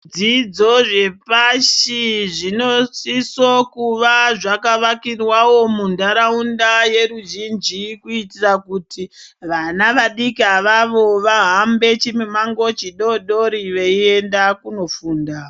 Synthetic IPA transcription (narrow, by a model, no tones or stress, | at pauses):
d͡zid͡zo̞ʐe̞paʃiʐino̞sisokuʋaʐakaʋakirwawo̞mundaɾaundaje̞ɾuʒind͡ʒikuitirakutʰiʋanaʋaɗikiaʋaʋo̞ʋaɦambe̞t͡ʃimemaŋɡo̞t͡ʃiɗo̞ɗo̞ɾiʋeie̞ndakuno̞fuːnda